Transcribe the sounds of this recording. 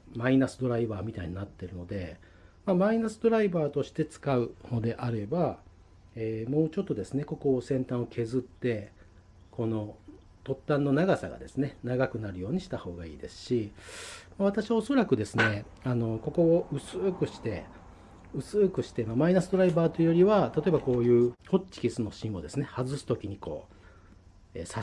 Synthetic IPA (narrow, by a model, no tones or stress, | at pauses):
mainasɨd̪o̞ɾaibaːmʲit̪aiɲ̟inat̪ːe̞ɾɯ̟no̞d̪e̞ | mamainasɨd̪o̞ɾaibaːt̪o̞ɕi̥t̪e̞t͡sɨ̥kaɯ̟no̞d̪e̞ʔaɾe̞ba | eːmo̞ːt͡ɕo̞t̪ːo̞d̪e̞sɨne̞ko̞ko̞ːsẽ̞nt̪ãɰ̃o̞kʰe̞zɨt̪ːe̞ | ko̞no̞ | t̪o̞t̪ːãnːo̞naɡasa̰ɡa̰d̪e̞sɨne̞naɡakɯ̟naɾɯ̟jo̞ːɲ̟iɕi̥t̪aho̞ːɡaḭːd̪e̞sɨ̥ɕi | maβ̞at̪aɕiβao̞so̞ɾakɯ̟d̪e̞sɨne̞ | ano̞ko̞ko̞ːɯ̟sɨːkɯ̟ɕi̥t̪e̞ | ɯ̟t͡sɨːkɯ̟ɕi̥t̪e̞mamainasɨd̪o̞ɾaibaːt̪ːoɯ̟jo̞ɾʲiβat̪at̪o̞e̞bako̞ːjɯ̟ːho̞t͡ɕt͡ɕi̥kʲisɨno̞ɕĩɰ̃o̞d̪e̞sɨne̞hazɨsɨ̥t̪o̞kʲiɲ̟iko̞̰ː | ḛːsa